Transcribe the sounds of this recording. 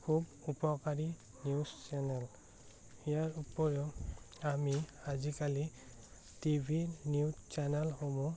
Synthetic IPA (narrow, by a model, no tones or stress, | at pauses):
kʰubupɔkaɹi | niust͡ʃɛnɛl | ijaɹupɔɹeʊ | amiazikali | tibʱiniut͡ʃɛnɛlxomu